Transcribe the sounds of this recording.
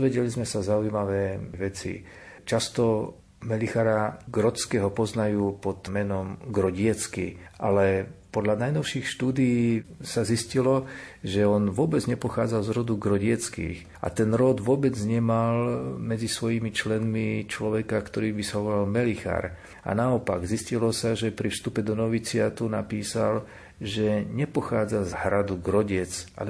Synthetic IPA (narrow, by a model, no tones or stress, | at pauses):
ʋɛɟɛlizmɛsazaujimaʋɛːʋɛt͡sḭ | t͡ʃast̪ɔ | mɛlixaɾaɡɾɔskɛːɦɔpɔznajuːpɔd̪mɛnɔmɡɾɔɟɪɛt͡skḭʔalɛpɔd̪ʎanajnɔʊʃiːxʃt̪uːd̪ijiːsaziscilɔʒɛɔnʋʊɔbɛd͡zɲɛpɔxaːd͡zalzɾɔd̪uɡɾɔɟɪɛt͡skḭːx | ʔa̰t̪ɛnɾɔd̪ʋʊɔbɛd͡zɲɛmalmɛd͡zisʋɔjiːmit͡ʃlɛnmit͡ʃlɔʋɛkakt̪ɔɾiːbisaɦɔʋɔɾalmɛlixa̰ɾ | a̰naɔpaɡziscilɔsaʒɛpɾifst̪upɛd̪ɔnɔʋit͡sɪat̪unapiːsal | ʒɛɲɛpɔxaːd͡zazhɾad̪uɡɾɔɟɪɛt͡sʔa̰l